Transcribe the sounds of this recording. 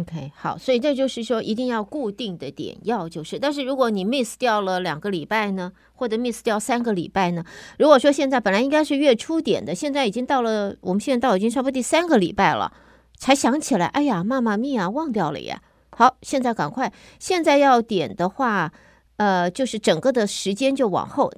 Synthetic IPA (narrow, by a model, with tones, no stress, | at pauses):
o˧kʰe˥˩ɪxɑ˨˩˦ʊswɔ˧˥i˨˩ʈ͡ʂɤ˥˧t͡ɕjo˥˧ʊʂɻ̩˥˩ʂwɔ˥ʔi˧˥t̪i˥˧ŋjɑ˥˧ʊku˥˧t̪i˥˩ŋd̪ə˨t̪jɛ̰˨˩njɑ˥˧ʊt͡ɕjo˥˧ʊʂɻ̩˥˩t̪a˥˧nʂɻ̩˥˩ɻu˧˥kwɔ˧˥ni˨˩mi˥˧s̩˧t̪jɑ˥˩ʊlə˩ljɑ̰˨˩ŋɡə˦li˨˩pa˥˩ɪnə˩ | xwɔ˥˩ʈ͡ʂɤ˨˩˦mi˥˧s̩˧t̪jɑ˥˩ʊsa˥nɡə˨lḭ˨˩pa˥˩ɪnə˩ɻu˧˥kwɔ˨˩ʂwɔ˥ɕjɛ˥˧nt͡sa˥˩ɪpə˨˩nla˥ɪi˥ŋka˥ɪʂɻ̩˥˧ɥɛ˥˩ʈ͡ʂʰu˥t̪jɛ̰˨˩nd̪ə˦ɕjɛ˥˧nt͡sa˥˩ɪi˨˩t͡ɕi˥ŋt̪ɑ˥˩ʊlə˩wɔ˨˩m˦ɕjɛ˥˧˥t̪i˥ŋʂ̬pu˥t̪i˥˧sa˥nɡə˨lḭ˨˩pa˥˩ɪlə̰˩ | t͡sʰa˧˥ɪɕjɑ˧˥ŋt͡ɕʰi˨˩la˧˥ɪʔa˥˩ɪja˨˩ma˥˧ma˨mi˥˩ɐ˩wɑ˥˧ŋt̪jɑ˥˩ʊlə̰˧ɛ̰˧˦ | xɑ˧˥ʊɕjɛ˥˧nt͡sa˥˩ɪka˨˩nkʰwa˥˩ɪ | ɕjɛ˥˧nt͡sa˥˧ɪjɑ˥˩ʊt̪jɛ˨˩nd̪ə˦xwa˥˩ | ə˧t͡ɕjo˥˧ʊʂɻ̩˥˩ʈ͡ʂɤ˨˩ŋkə˥˧d̪ə˨ʂɻ̩˧˥t͡ɕjɛ˥nt͡ɕjo˥˩ʊwɑ̰˨˩ŋxo˥˩ʊ